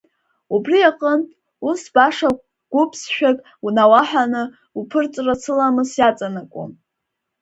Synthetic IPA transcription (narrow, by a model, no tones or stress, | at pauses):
ubriaqʼəntʼ | usbaʂa | ɡ̥ʷʊpʰsʃᶣakʼ | unawaħʷanɨ | upʰɨrt͡sʼrat͡sʰɨlamɨsjat͡sʼanakʷʼṵm